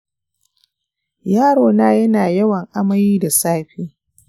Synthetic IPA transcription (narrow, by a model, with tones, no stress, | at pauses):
jaː˦ɽoː˨naː˦jɐ˦naː˨jɐ˦wɐ˨ŋʔa˦mɐ˦jiː˦da˨saː˦ɸiː˦